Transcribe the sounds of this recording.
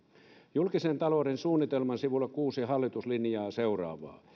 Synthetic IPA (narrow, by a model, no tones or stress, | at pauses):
julkisent̪ɑloːdensuːnːˑit̪elmɑnsiʋulːˑɑkuːsihɑlːit̪uslinjɑːseurɑ̰ːʋɑ̰ː